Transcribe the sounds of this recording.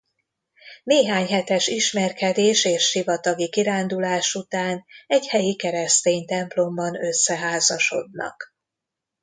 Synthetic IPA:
neːɦaːɲɦɛt̪ɛʃiʃmɛrkɛd̪eːʃeːʃʃivɒt̪ɒɡikiɾaːnd̪ulaːʃut̪aːnɛɟhɛjikɛɾɛst̪eːɲt̪ɛmplo̞mbɒnø̞sːɛɦaːzɒʃo̞̰d̪nɒ̰k

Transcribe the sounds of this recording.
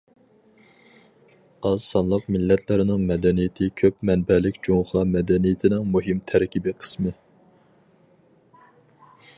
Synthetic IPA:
ɑzsɑnlˠəqmɪlːɛt̪ʰlɪɾɪnɪŋmɛd̪ɛnijɪt̪ʰɪkʲʰøpmɛnbɛlɪkʲd͡ʒoŋχɑmɛd̪ɛnijɪt̪ʰɪnɪŋmuɦɪmt̪ʰɛɾkʲibiqʰə̥smɨ

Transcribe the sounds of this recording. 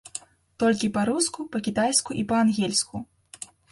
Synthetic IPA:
t̪ɔlʲkʲipɐɾuskupɐkʲit̪ajskuʔipɐanɣʲɛlʲsku

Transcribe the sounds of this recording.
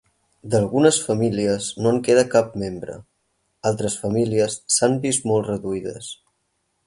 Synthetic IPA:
d̪əlˠɣunəsfəmiliəznoaŋkeðəkap̚membɾə̰ | alˠt̪ɾəsfəmiliəsːambist̪mɔlˠtrəðuiðəs

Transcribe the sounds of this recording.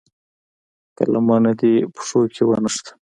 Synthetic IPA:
ka̰lamɑːnad̪ipʊ̥ʂokʰewanəʂt̪ḁ

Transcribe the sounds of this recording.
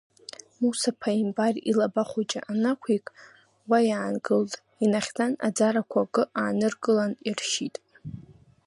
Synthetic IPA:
musapʰaimbarilabaχʷut͡ʃʼa̰ʔanakʷʰikʼ | wajaːnɡɨltʼ | inaχʲdana̰d͡zaɾakʷʰaɡɨʔaːnɨrɡɨlanirʃitʼ

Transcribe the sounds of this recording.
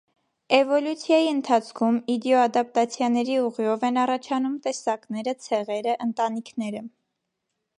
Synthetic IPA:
ɛvɔljut͡sʰjɑjiənt̪ʰɑt͡sʰkʰumid̪jɔɑd̪ɑp̚t̪ɑt͡sʰjɑnɛɾiuʁjɔvɛnɑrɑt͡ʃʰɑnumt̪ɛsɑknɛɾət͡sʰɛʁɛɾəʔənt̪ɑnikʰnɛɾə

